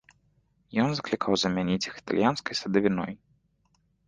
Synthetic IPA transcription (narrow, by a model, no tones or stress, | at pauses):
jɔnzɐklʲikʰawzɐmʲanʲit͡sʲixi̥t̪a̰lʲjanskɐjsɐd̪ɐvʲinɔj